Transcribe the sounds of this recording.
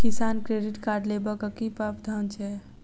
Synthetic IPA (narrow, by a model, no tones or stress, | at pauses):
kisaːnkɾeɖiʈkaɾɖlebəkəkipabd̪ʱant͡ʃʰe